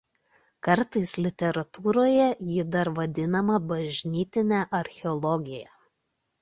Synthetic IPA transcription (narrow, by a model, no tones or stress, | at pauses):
kɐɾt̪ɐɪslʲɪt̪ʲɛɾɐt̪uːɾoːjɛjɪd̪ɐɾʋɐd̪ʲɪnɐmɐbɐʒʲnʲiːt̪ʲɪnʲæʔɐɾʲxʲɛɔlˠɔɡʲɪjɛ